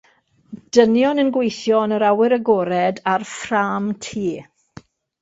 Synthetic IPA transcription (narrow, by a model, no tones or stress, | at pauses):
d̥ənjɔnənɡwejθjɔnəɾawɪɾəɡɔɾɛdarfraːmtʰiː